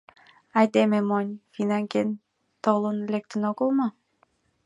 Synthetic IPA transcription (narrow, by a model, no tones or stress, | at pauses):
ɑjd̪ememonʲfinɑŋken | t̪olənlek̚t̪ə̆noɡəlˠmɤ